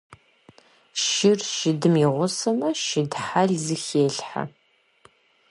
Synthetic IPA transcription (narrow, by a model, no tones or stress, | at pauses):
ʃɪrʃɪdɨmiʁʷʊsɐmɐʃɪdħaɮzɨxeːɬħa̰